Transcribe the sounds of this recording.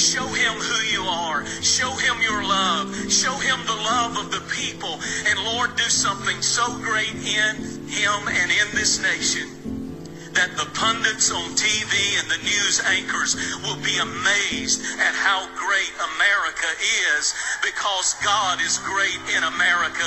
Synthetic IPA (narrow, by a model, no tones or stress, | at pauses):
ʃoʊɪ̃mhʉjɨə˞ | ʃoʊɪ̃mjə˞lʌv̥ʃoʊɪ̃mðəlʌvʌvðəpʰipl̩ˠɨ̃nlɔɹdɨsʌ̃mθɪ̃ŋsoʊɡɹeɪɾɪ̃n | ɪ̃mɨ̃nɪ̃nðɪsneɪʃɨ̃n | ðɨt̪̚ðəpʰʌ̃ndɨ̃ntsn̩tʰiviɨ̃nðɨnjʉzæ̃ŋkʰə˞zwɪlˠbiɨmeɪzdɨt̚haʊɡɹeɪɾəmɛɹɨkʰɨʔɪzbɨkʰʌzɡɑɾɪzɡɹeɪɾɪ̃ñəmɛɹɨkɨ